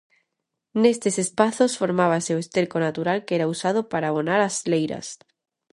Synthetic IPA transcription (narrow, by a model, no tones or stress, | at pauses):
nest̪esespaθosfoɾmaβ̞aseoest̪eɾkonat̪uɾalkeɾausað̞opaɾaːβonaɾazlejɾa̰s